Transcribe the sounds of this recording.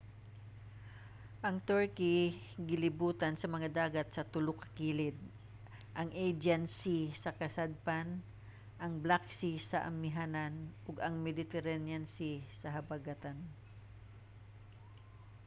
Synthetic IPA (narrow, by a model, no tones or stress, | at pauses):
ʔɐŋt̪ɛɹkiɡɪlɪbuːt̪ɐnsɐmɐŋad̪aːɡɐt̪̚sɐt̪ʊlʊkɐ̥kiːlɪd̪̚ | ʔɐŋʔejd͡ʒɛnsisɐkɐsad̪̚pan | ʔɐŋblaksisɐʔɐ̰mːɪɦananʔʊɡɐŋmɛd̪ɪt̪ɛɾɛnjansisɐɦɐbaɡat̪an